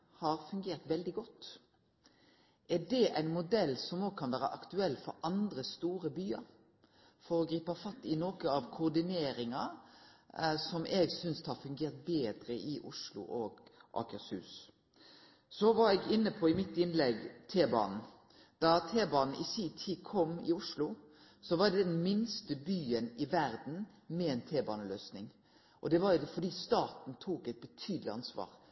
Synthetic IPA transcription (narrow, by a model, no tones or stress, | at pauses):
hɑɾfʉŋɡeːɾt̪ʋɛld̪ɪɡɔt̪ː | ʔæɖɛʔæɪnmʊd̪ɛlːsɔmoːɡ̚kʰɑnʋæːɾəʔɑkt̪ʉɛlːfɔɾʔɑnd̪ɾəst̪uːɾəbyːɑɾ | fɔɾɔɡɾiːpɑfɑt̪ːɪnoːkəɑʋkʰʊd̪ɪneːɾɪŋɑ | sɔmʔɛɡsʏnsd̪hɑɾfʉŋɡeːʁt̪̚beːd̪ɾəʔɪʔʊʂlʊ̰ʔoɡʔɑ̰kəshʉ̰ːs | sɔʋɑɾɛɡɪnːəpʰɔɪmɪt̪ːɪnlɛɡt̪ʰeːbɑ̰ːnn̩ | d̪̥ɑt̪ʰeːbɑːnn̩ʔɪsiːt̪ʰiːkʰɔmːɪʊʂlʊ | sɔʋɑɾd̪ɛd̪ɛnmɪnst̪əbyːənɪʋæɾd̪n̩ | mɛɛːnt̪ʰeːbɑːnəløːsnɪŋ | ʔɔd̪ɛʋɑɾjʊfɔɖ̪iːst̪ɑːt̪n̩t̪ʰuːkɛɪt̪̚bət̪ʰyːd̪lɪɑ̰nsʋɑ̰ːɾ